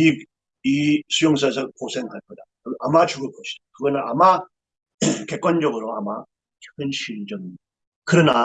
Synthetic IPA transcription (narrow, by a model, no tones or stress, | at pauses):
i | isʰujoŋs̬ʰasʰʌkosʰe̞ŋhaɭk͈ʌda | amat͡ɕuɡɯɭk͈ʌɕʰi̥d̥akɯɡʌnɯna̰ma | ke̞k͈wand͡ʑʌɡɯɾoa̰ma | kɯnɕʰiɭd͡ʑʌŋia | kɯɾʌna